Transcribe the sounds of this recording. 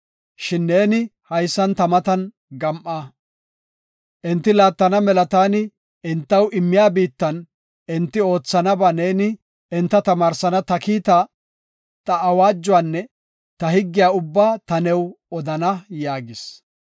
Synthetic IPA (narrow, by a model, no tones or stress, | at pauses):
ʃɪnːe̞ːnɪhɐjsːɐnt̪ɐmɐt̪ɐn | ɡɐmʔaː | ʔɪnt̪ːɪlaːt̪ːɐnɐmɛlɐt̪aːnɪ | ɪnt̪ːɐwʔɪmːɪjaːbiːt̪ːɐn | ʔɪnt̪ːɪo̞ːt͡sːɐnɐbaːneːnɪ | ɪnt̪ːɐt̪ɐmaːɾsɐnɐt̪ɐkiːt̪a | t̪ɐːwaːd͡ʒːʊwaːnːɛ | t̪ɐhɪɡːɪjaːʊbːaːt̪ɐnɛw | ɔd̪ɐnɐjaːɡɪs